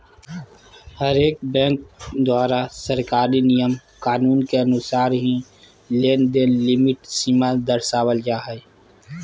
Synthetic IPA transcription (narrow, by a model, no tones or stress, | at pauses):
həɾeːk̚bɛ̃ːŋk̚d̪waːɾasəɾkaːɾinijəmkaːnuːnkeɐnʊsaːɾɦi | leːnd̪enlɪmɪʈsiːmad̪əɾsaːwəld͡ʒaːɦɛ